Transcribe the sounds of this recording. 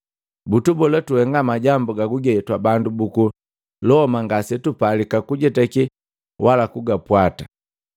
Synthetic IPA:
butubɔlɛtuhɛŋɡamaɟambuɡaɡuɡɛɛtwabandubuku | lɔɔmaŋɡasɛtupalikakuɟɛtɛki | wʔalakuɡapwatḁ

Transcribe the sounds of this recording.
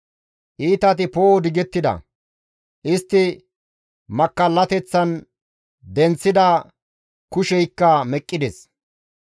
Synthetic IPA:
ʔiːt̪ɐt̪ɪpoːd̪ɪɡɛt̪ːɪd̪ɐ̰ | ʔɪst̪ːɪ | mɐkːɐlːɐt̪ɛt͡sːɐn | d̪ɛnt͡sːɪd̪ɐ | kʊʃɛjkːɐmɛkʼːɪd̪ɛs

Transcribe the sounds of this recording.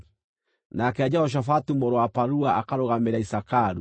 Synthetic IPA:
nakɛad͡ʑaɔʃ̬afatumɔɾɔwapaɾuaakaɾoɣameɾaisakaɾu

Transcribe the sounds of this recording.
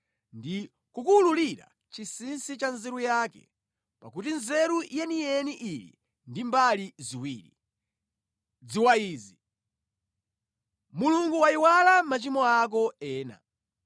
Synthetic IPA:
ndi | kukululiɾa̰ | t͡ʃisinsit͡ʃanzɛɾujaːkɛ̰ | pakut̬inzɛɾujɛniɛniʔilḭ | ndimbaliziwiːɾi | d͡ziwaiːzi | muluŋɡuwaiwalamat͡ʃimɔak̬ɔɛːna̰

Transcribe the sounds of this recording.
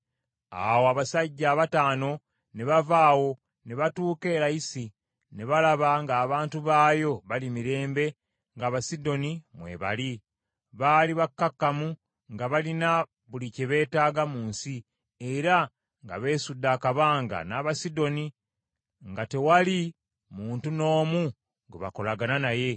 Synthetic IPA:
a̰woaβasaɟːaːβataːno̞ | ne̞βavaːwo̞ | ne̞βatuːke̞ːɾajisi | ne̞βalaβaŋɡaːβaːntuβaːjo̞βalimiɾe̞ːmbe̞ | ŋɡaːβasido̞nimwe̞̰ːβa̰li | βaːliβakːakːamu | ŋɡaβalina | βuliceβe̞ːtaːɡamuːnsi | e̞ɾa | ŋɡa̰βe̞ːsudːaːkaβaːŋɡa̰naːβasido̞ni | ŋɡate̞wali | muːntuno̞ːmu | ŋɡḛβa̰ko̞laɡananaje̞

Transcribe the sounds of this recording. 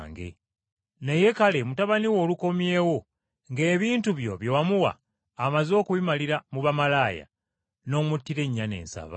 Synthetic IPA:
ŋɡḛ | neje̞kale̞mutaβaniwo̞ːluko̞mje̞ːwo̞ | ŋɡe̞ːβiːntuβjo̞̰βjewamuwa̰ː | mazo̞ːkuβimaliɾamuβamalaːja̰ | no̞ːmutːiɾe̞ɲːane̞̰ːnsa̰βa̰

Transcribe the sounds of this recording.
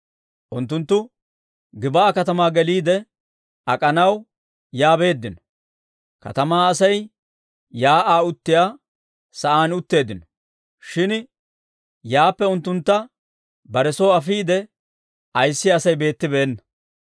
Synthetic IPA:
ʔʊnt̪ːʊnt̪ːʊ | ɡɪbaːkɐt̪ɐmaːɡɛliːd̪ɛ | ʔɐkʼɐnɐw | jaːbe̞ːd̪ːɪnɔ̥ | kɐ̰t̪ɐmaːɐsɐj | jaːʔaːʊt̪ːɪjaː | sɐʔaːnʊt̪ːe̞ːd̪ɪnɔ̥ | ʃɪn | jaːpːɛʊnt̪ːʊnt̪ːɐ | bɐɾɛsoːɐfiːd̪ɛ | ɐjsːɪɐsɐjbe̞ːt̪ːɪbɛːnːɐ̥

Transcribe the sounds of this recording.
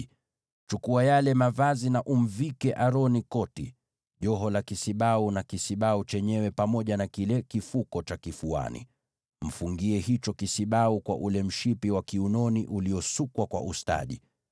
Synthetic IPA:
t͡ʃukuajalɛmavazinaʔum̩vikɛʔaɾɔnikɔti | ʄɔɦɔlakisiɓaunakisiɓaut͡ʃɛɲɛwɛpamɔʄanakilɛkifukɔt͡ʃakifua̰nḭ | m̩fuŋɡiɛhit͡ʃɔkisiɓaukwa̰ʔulɛm̩ʃipiwakiunɔniʔuliɔsukwakwa̰ʔusta̰ɗḭ

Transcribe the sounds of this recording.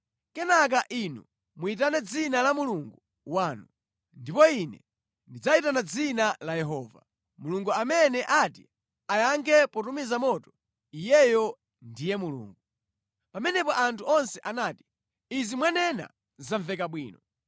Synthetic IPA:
kɛnak̬aʔinu | muit̬anɛd͡zinalamuluŋɡu | waːnu | ndipɔinɛ̰ | ndid͡zaitanad͡zinalajɛɦɔːva̰ | muluŋɡuamɛnɛʔati | ajaŋkʰɛpɔtumizamɔtɔ̥ | ijɛjɔ | ndijɛmulṵːŋɡu | pamɛnɛpɔʔantʰuɔnsɛʔanaːti̥ | izimwanɛna̰ | zaɱvɛk̬aɓwḭːnɔ

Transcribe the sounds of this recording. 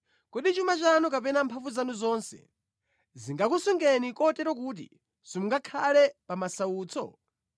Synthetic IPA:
kuɗit͡ʃumat͡ʃanukapɛnampʰaɱvuzanuzɔnsɛ̰ | ziŋɡak̬usuŋɡɛnikɔtɛɾɔk̬uːt̬ḭ | sumuŋɡakʰalɛpamasauːt͡sɔ̰

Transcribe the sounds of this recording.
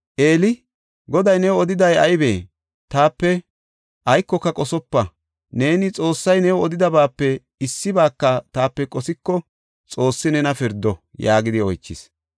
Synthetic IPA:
ʔeːlɪ | ɡɔd̪ɐjnɛwɔd̪ɪd̪ɐjɐjbḛː | t̪aːpːɛ | ʔɐjkːɔkːɐkʼɔsɔpːɐ | ne̞ːnɪt͡sʼo̞ːsːɐjnɛwɔd̪ɪd̪ɐbaːpːɛ | ɪsːɪbaːkːɐt̪aːpːɛkʼɔsɪkːɔ | t͡sʼo̞ːsːɪnɛnɐfɪɾd̪ɔjaːɡɪd̪ɪɔjt͡ʃːɪs

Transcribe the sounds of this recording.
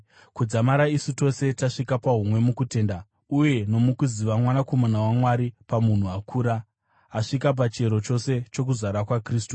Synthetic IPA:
kud͡zamaɾaisuto̞se̞taʂikapaɦumwe̞mukute̞ːnda | uje̞no̞mukuziʋamwanako̞manawamwaɾipamun̤uakʰuːɾa | aʂikap̬at͡ʃe̞ɾo̞t͡ʃo̞se̞t͡ʃo̞k̬uzaɾakwakriːstu

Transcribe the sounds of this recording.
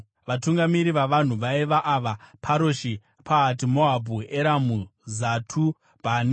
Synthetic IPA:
ʋatuŋɡamiɾiʋaʋan̤uʋaiʋaʔaʋapʰaɾoʃi | pʰaːtimoabʱueɾamuzatʰu | bʱani

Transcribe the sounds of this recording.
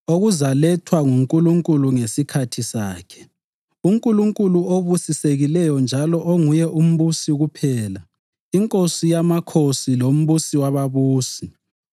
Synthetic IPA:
oɣuzalɛtʰwaŋuŋkʼuluŋkʼuluŋesikʰatʰisaːkʰɛ̥ | uŋkʼuluŋkʼuluoβusiseɣilɛjɔnd͡ʒʱalɔʔoŋujɛʔum̩βusiɣupʰɛːla | iŋkʼosijamakʰosilom̩βusiwaβaβuːsi

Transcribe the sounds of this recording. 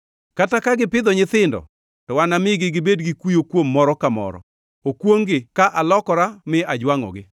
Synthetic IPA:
katakaɡɪpɪd̪ɔɲɪt̪ɪndɔ̰ | tɔwanamɪɡɪɡɪbedɡɪkijokwomːɔɾɔkamɔ̰ɾɔ̰ | okwoŋɡɪkaʔalɔkɔɾamɪad͡ʒwaŋɔ̰ɡɪ

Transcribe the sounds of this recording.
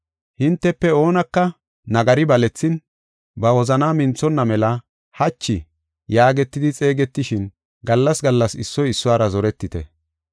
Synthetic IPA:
hɪnt̪ːɛpːɛo̞ːnɐkːɐ | nɐɡɐɾɪbɐlɛt͡sːɪn | bɐwɔzɐnaːmɪnt͡sːɔnːɐmɛlɐ | hɐt͡ʃːɪ | jaːɡɛt̪ːɪd̪ɪt͡sʼe̞ːɡɛt̪ːɪʃɪn | ɡɐlːɐsɡɐlːɐsɪsːɔjɪsːʊwaːɾɐzɔɾɛt̪ːɪt̪ɛ

